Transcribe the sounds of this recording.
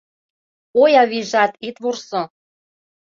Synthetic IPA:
ojɑβiʒɑt̪it̪βursɤ̆

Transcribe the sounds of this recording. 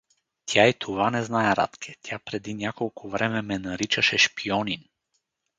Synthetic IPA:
t̪ʲjait̪ʰovanɛznaɛɾa̰t̪kʰʲɛt̪ʲjapɾɛd̪inʲakolˠkʰuvɾɛmɛmɛnaɾit͡ʃaʃɛʃpiɔnin

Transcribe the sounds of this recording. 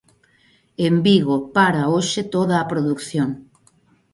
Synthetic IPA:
embiɣopaɾaoʃet̪oðaːpɾoðukθjoŋ

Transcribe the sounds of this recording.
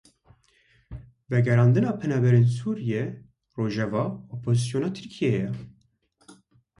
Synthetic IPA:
vɛɡɛɾɑːnd̪ɨnɑːpʰɛnɑːbɛɾeːnsuːɾijɛ | roːʒɛvɑːopʰoːzɨsijoːnɑːt̪ʰɨɾkʰijɛjɛ

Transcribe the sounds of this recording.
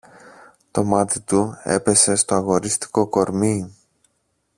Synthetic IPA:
t̪o̞mɐt̪it̪ue̞̰pe̞se̞st̪o̞ɐɣo̞ɾist̪i̥ko̞ko̞ɾmi

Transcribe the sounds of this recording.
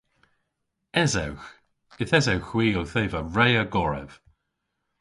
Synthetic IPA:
ɛzɛwx | ɪθɛzɛwxwiːowθeːvəɹɛjəɡɔɹɛ̰v̥

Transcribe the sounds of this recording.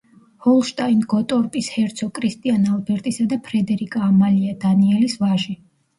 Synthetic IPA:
hɔlˠʃt̪ʼainɡɔt̪ʼɔɾpʼishɛɾt̪sʰɔkʼɾist̪ʼianalbɛɾt̪ʼisad̪apʰɾɛd̪ɛɾikʼaːmaliad̪aniɛlisvaʒi

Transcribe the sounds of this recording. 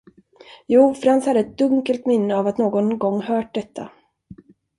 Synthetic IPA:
juːfœɾhansthad̪ːəɛt̪̚d̪ɵŋkəlt̪mɪnːəavat̪noːɡɔnɡɔŋːhœːʈ̚d̪ɛt̪ʰːa̰

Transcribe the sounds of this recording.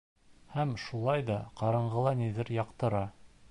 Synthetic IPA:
hæmʃulˠɑjðɑqɑɾɤ̆ɴɢɤ̆lˠɑniðɘɾjɑqt̪ɤ̆ɾɑ

